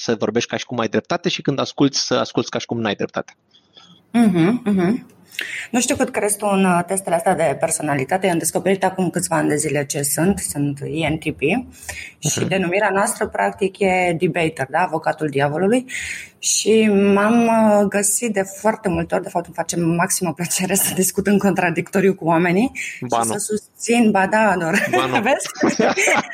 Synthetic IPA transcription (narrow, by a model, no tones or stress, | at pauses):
səvo̞ɾbe̞ʃt̚ʲkaʃi̥kumajd̪ɾe̞pt̪at̪e̞ʃikɨnd̪askult̪sʲsəa̰skult̪sʲkaʃi̥kumnajd̪ɾe̞p̚t̪a̰t̪e | ɦm̩ːɦm̩ | nuʃt̪iukɨt̪kəɾest̪uunt̪e̞st̪eleast̪jad̪e̞pe̞rso̞nalit̪at̪ejamd̪e̞sko̞pe̞ɾit̪akumkɨt̪svaanʲd̪e̞zile̞t͡ʃe̞sunt̪sunt̪ient̪ipi | ʃid̪e̞numiɾeanoast̪ɾəpɾak̚t̪ikje̞d̪ibejt̪erd̪aːvo̞kat̪uld̪iavo̞lulujʃimamɡəsit̪̚d̪e̞foart̪e̞mult̪eo̞ɾd̪efapt̪ukɨnfat͡ʃe̞mːaksiməplət͡ʃe̞ɾe̞səd̪iskut̪ɨmko̞nt̪ɾad̪ikt̪o̞ɾijukuwame̞niʃisəsust̪sinbad̪ad̪orve̞s